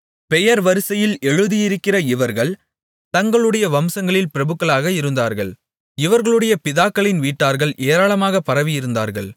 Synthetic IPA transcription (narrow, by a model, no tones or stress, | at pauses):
pɛjɐɾʋɐɾɯsɐjɪlɛɻɯðijɪɾɯkːɪrɐɪʋɐɾɣɐɭ | t̪ɐŋɡɐɭɯɽɐjɐʋɐmsɐŋɡɐɭɪlpɪɾɐbɯkːɐɭaːɣɐɪɾɯnd̪aːɾɣɐɭ | ɪʋɐɾɣɐɭɯɽɐjɐpɪðaːkːɐɭɪnʋiːʈːaːɾɣɐɭʔeːɾaːɭɐmaːɣɐpɐɾɐʋɪjɪɾɯnd̪a̰ːɾɣɐ̰ɭ